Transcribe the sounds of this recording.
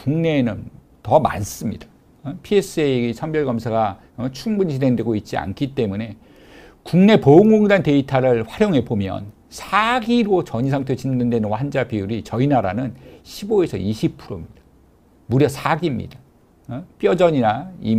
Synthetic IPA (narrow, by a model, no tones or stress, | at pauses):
kuŋne̞nɯn | tʌma̰ns͈ɯmɲḭdḁ | pʰie̞s͈ʰɯesʰʌmbjʌɭɡʌmsʰaɡa | t͡ɕʰuŋbunt͡ɕine̞ŋdwe̞ɡoit̚t͡ɕ͈ia̰nkʰit͈e̞mune̞ | kuŋne̞pouŋɡoŋdante̞itʰaɾɯɭɸwaɾjoŋɦe̞bomjʌ̰n | sʰaɡiɾot͡ɕʌɲisʰaŋtʰet͡ɕinnɯndenɯnwand͡ʑapijuɾit͡ɕʌinaɾanɯnɕʰiboe̞sʰʌ̰iɕʰip̚pʰuɾomɲid̥ḁ | muɾjʌsʰaɡimɲḭda | p͈jʌd͡ʑʌɲinai